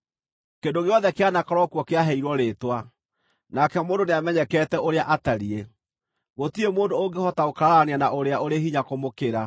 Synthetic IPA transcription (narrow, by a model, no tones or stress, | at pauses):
kendoɣeɔðɛkeanakɔɾwɔkwɔkeaɦɛiɾwɔɾetwa | nakɛmoːndoneamɛɲɛkɛtɛʔoɾeaʔataɾie | ɣotiemoːndooŋɡehɔtaokaɾaɾaaneanaʔoɾeaʔoɾeɦiɲakomokeɾa